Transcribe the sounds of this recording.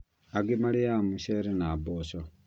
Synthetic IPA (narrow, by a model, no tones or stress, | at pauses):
aɡemaliamuʃeɾenaboʃo